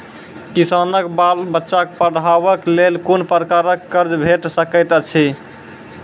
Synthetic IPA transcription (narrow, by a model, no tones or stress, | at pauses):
kisanəkbalbətːʃakpəɽaβəklelkonpɾəkaɾəkːəɾd͡ʒbʱeʈsəkəjt̪ət͡ʃʰi